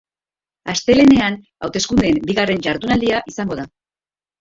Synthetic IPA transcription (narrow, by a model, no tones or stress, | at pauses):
ast̪e̞le̞ne̞an | a̰wt̪e̞skund̪e̞mbiɣare̞nʝaɾðunald̪iaʔisaŋɡo̞ða